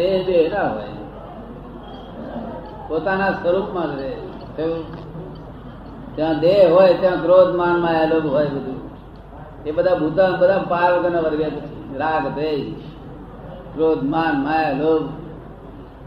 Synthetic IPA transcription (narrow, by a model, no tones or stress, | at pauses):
eɦd̪eɦnaɦo̰j | pot̪anasəɾupmãkɾe | t̪e | t̪jãd̪eɦɦoːjt̪jãkɾod̪ʱmaːnmaːjaloːɡɦoːjbəd̪ʱu | ebəd̪ʱabʱut̪ãbəd̪ʱapaːɾʋəɡ̪ənaʋəɾɡeɾaːɡt̪ɾei | kɾoːd̪ʱmanmajaloːɡ